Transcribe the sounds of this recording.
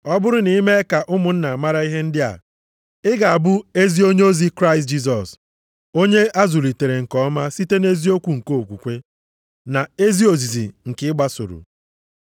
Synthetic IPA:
ɔ˦bʊ˦ɾʊ˦ni˨i˦me˦ka˨ʔʊ˦mʊ˨n̩˦na˨a˨ma˦ɾa˦i˦ɦe˦n̩˦dɪ˦a̰˨ | ɪ˦ɡa˨a˨bʊ˦e˦zi˦o˦ɲe˦o˦zi˦kɾa˦ɪ˨st̚d͡ʒi˦s̬ɔ˨s | o˦ɲe˦a˦zu˨li˨te˨ɾe˨ŋ̩˨kɔ˦ma˦si˦te˦ne˦zi˦o˦kʷu˨ŋ̩˨ko˦˨kʷu˨kʷe˦ | na˨e˦zi˦o˨zi˨zḭ˨ŋ̩˨kɪ˦ɡ͡ba˦sʊ̰˨ɾʊ̰˨

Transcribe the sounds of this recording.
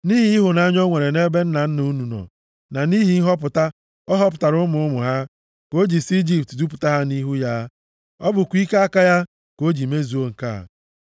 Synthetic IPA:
ni˦ɦi˨i˦ɦʊ˨na˦ɲɔ˦ŋʷe˨ɾe˨ne˦be˦n̩˦na˨n̩˦nu˦nu˨nɔ̰˨ | na˨ni˦ɦi˨˦ɦɔ˦p̬ʊ˨ta˦ | ɔ˦ɦɔ˦p̬ʊ˨ta˨ɾʊ˦mʊ˨ʊ˦mʊ˨ɦa˦ | ko˦d͡ʒi˨si˦d͡ʒi˨p̚tdu˦p̬u˨ta˦ɦa˦ni˦ɦu˦ja˦ | ɔ˦bʊ˨kʷi˦ka˦a˦ka˦ja˦ | ko˦d͡ʒi˨me˦zu˨o˦ŋ̩˨ka˦a̰˨

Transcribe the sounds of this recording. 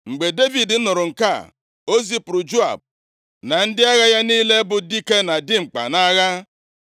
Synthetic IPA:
ŋ͡m̩˨ɡ͡be˨de˦vi˨dn̩˦nʊ˨ɾʊ˨ŋ̩˨ka˦˨ | o˦zi˦pʊ˨ɾʊ˨d͡ʒo˦a̰˨b̚ | na˨n̩˦dɪ˦a˦ɣa˦ja˦niː˦le˦bʊ˨di˦ke˦na˨dɪ˦ŋ͡m̩˨k͡pa̰˨na˦ɣa˦

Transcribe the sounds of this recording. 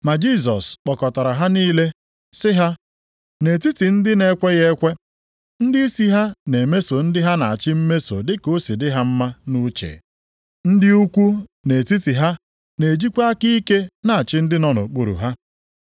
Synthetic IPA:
ma˨d͡ʒi˦˨s̬ɔ˨sk͡pɔ˨kɔ˨ta˨ɾa˨ɦa˦niː˦le˦ | sɪ˦ɦa˦ | ne˨ti˦ti˨n̩˦dɪ˦ne˦kʷe˦ɣe˦kʷe˦ | n̩˦dɪ˦i˦si˦ɦa˦ne˨me˦so˨n̩˦dɪ˦ɦa˦na̰˨t͡ʃɪ˦m̩˦me˦so̰˨dɪ˦ko˦si˨dɪ˦ɦa˦m̩˦ma˦nu˦t͡ʃḛ˨ | n̩˦dɪ˦u˦kʷu˦ne˨ti˦ti˨ɦa˦ | ne˨d͡ʒi˦kʷa˦ki˦i˦ke˦na˨a˨t͡ʃɪ˦n̩˦dɪ˦nɔ˦nʊ̰˨k͡pu˨ɾṵ˨ɦa˦

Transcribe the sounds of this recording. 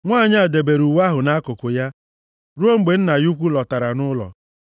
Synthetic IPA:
ŋʷaː˦˨ɲ˦a˨de˨be˨ɾu˨wa˦ɦʊ˨na˦kʊ˨kʊ˨ja˦ | ɾu˦o˦ŋ͡m̩˦ɡ͡be˨n̩˦na˨ju˦kʷu˦lɔ˨ta˨ɾa˨nʊ˦lɔ̰˨

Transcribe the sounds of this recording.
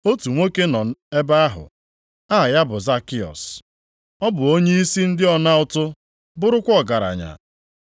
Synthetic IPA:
o˦tu˨ŋʷo˦ke˦nɔ˨e˦ba˦a˦ɦʊ̰˨ | a˦˨ja˦bʊ˨za˦kɪ˦ɔ̰˨s | ɔ˦bʊ˨o˦ɲe˦i˦si˦n̩˦dɪ˦ɔ˦na˦ʊ˦˨tʊ˦ | bʊ˦ɾʊ˦kʷɔ˦ɡa˨ɾa̰˨ɲa̰˨

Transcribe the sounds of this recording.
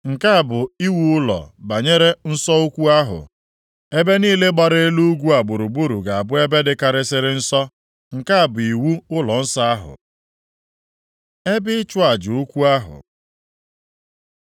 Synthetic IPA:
ŋ̩˨ka˦a˨bʊ˨i˦wu˦ʊ˦lɔ̰˨ba˨ɲe˦ɾe˦n̩˦sɔ˦u˦kʷu˦a˦ɦʊ̰˨ | e˦be˦niː˦le˦ɡ͡ba˦ɾe˦e˦lu˦ɡʷu˦a˨ɡ͡bʊ˨ɾu˨bu˦ɾu˨ɡa˨a˨bʊ˦e˦be˦dɪ˦ka˦ɾɪ˦sɪ˦ɾɪ˦n̩˦sɔ˦ | ŋ̩˨ka˦a˨bʊ˨i˨wu˦ʊ˦lɔ˨n̩˦sa˦a˦ɦʊ̰˨ | e˦bɪ˦ɪ˦t͡ʃʊ˦a˨d͡ʒʊ˨u˦kʷu˦a˦ɦʊ̰˨

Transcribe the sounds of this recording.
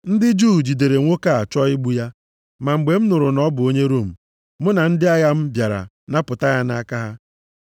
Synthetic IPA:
n̩˦dɪ˦d͡ʒuː˦˨d͡ʒi˨de˨ɾe˨ŋʷo˦ka˦˨a˨t͡ʃɔ˦ɪ˦ɡ͡bu˦ja˦ | ma˨ŋ͡m̩˨ɡ͡be˨m̩˦nʊ˨ɾʊ˨nɔ˦bʊ˨o˦ɲe˦ɾo˦˨m̩˨ | mʊ˦na˨n̩˦dɪ˦a˦ja˦m̩˦bja˨ɾa̰˨ | na˦pʊ˨ta˦ja˦na˦ka˦ɦa˦

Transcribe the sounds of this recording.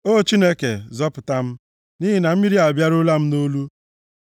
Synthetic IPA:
o˦˨t͡ʃi˦ne˦ke˨zɔ˦pʊ˨ta˦m̩˦ | ni˦ɦi˨na˨m̩˦mi˦ɾi˦a˨bja˦ɾʊ˦la˦m̩˦no˦lu˦

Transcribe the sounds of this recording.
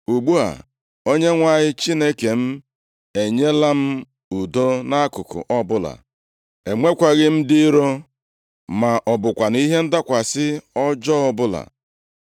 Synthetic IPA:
u˨ɡ͡bu˦a̰˨ | o˦ɲe˦ŋʷa˦˨ɲɪ˦t͡ʃi˦ne˦ke˨m̩˦ | e˨ɲe˦la˦m̩˦ | u˨do˦na˦kʊ˨kʊ̰˨ʔɔ˦bʊ˦la̰˨ | e˨ŋʷe˦kʷa˨ɣɪ˦m̩˦dɪ˦ɾo˦ | ma˨ʔɔ˨bʊ˨kʷa˨ni˦ɦe˦n̩˦da˦kʷa˨sɪ˦ɔ˦d͡ʒɔ˦ɔ˦bʊ˦la̰˨

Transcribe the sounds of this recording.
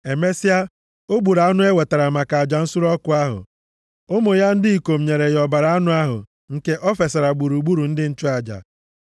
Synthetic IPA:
e˨me˦si˦a˦ | o˦ɡ͡bu˨ɾa˨a˦nʊ˦e˦we˨ta˨ɾa˨ma˨ka˨a˨d͡ʒa˨n̩˦su˦ɾɔ˦kʊ˨a˦ɦʊ̰˨ | o˦mʊ˨ja˦n̩˦dɪ˦i˨ko˨m̩˨ɲe˨ɾe˨jɔ˨ba˨ɾa˦a˦nʊ˦a˦ɦʊ̰˨ | ŋ̩˨ke˦ʔɔ˦fe˨sa˨ɾa˨ɡ͡bu˨ɾu˨ɡ͡bu˦ɾu˨n̩˦dɪ˦n̩˦t͡ʃʊ˦a˨d͡ʒa̰˨

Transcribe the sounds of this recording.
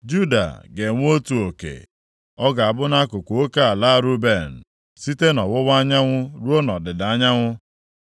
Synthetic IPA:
d͡ʒu˦da̰˨ɡe˨ŋʷ˦o˦tu˨o˨kḛ˨ | ɔ˦ɡa˨a˨bʊ˦na˦kʊ˨kʷo˨o˦ka˦a˨la˦˨ɾu˦be˦˨n̩˨ | si˦te˦nɔ˨wʊ˦wa˦ɲa˦ŋʷʊ˦ɾu˦o˦nɔ˨dɪ˨da˨a˦ɲa˦ŋʷʊ˦

